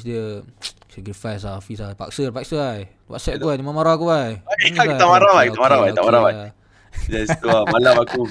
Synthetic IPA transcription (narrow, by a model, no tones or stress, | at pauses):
sdiə | sɛɡɾifajs̬afisapa̰k̚sərpak̚səaj | wa̰t̪sɛt̪̚kubajdimamaɾakubajaakiat̪amaɾabajkit̪amaɾabaj̪amaɾabaj | d͡ʒast̪uamalamaku